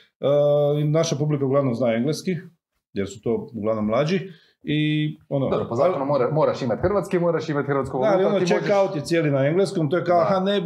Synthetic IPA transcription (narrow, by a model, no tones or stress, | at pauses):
əinaʃapublikauɡlˠaʋnomznaːe̞ŋɡleski | jeɾsu̥t̪o̞ːuɡlaʋno̞mːlˠad͡ʒi | ionodobɾopozaonumoɾamoɾaʃimat̪ʲxɾʋat̪skimoɾaʃimat̪ʲxɾʋat̪skud̪aalionot͡ʃekaaut̪jisjeːlinaeŋɡleskomt̪ojekaoxane